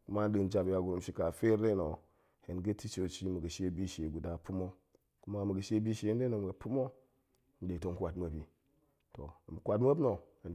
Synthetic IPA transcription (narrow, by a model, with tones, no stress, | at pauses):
ku˦ma˦n˦ɗɨ˨nd͡ʒa˨bja˨ɡu˨ɾu˨m̩˦ʃi˦ka˨fe˦ɾe˦no˨ | he˨nɡə˦ti˦t͡ʃo˨t͡ʃi˦mə˨ɡə˨ʃe˦bi˦ʃe˨ɡu˨da˨pu˦mo˦ | ku˦ma˦mə˨ɡə˨ʃe˦bi˦ʃe˨˦de˦no˨m˨ɡə˨pu˦mo˦ | m˨de˨to˨ŋ˨kʷa˨tmə˨bi˨ | to˨m˨kʷa˨tm˦ə˦bno˨ | n